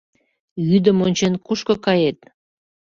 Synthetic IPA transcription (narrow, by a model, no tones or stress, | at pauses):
jyd̪əmonʲt͡ɕenkuʃkokɑjet̪̚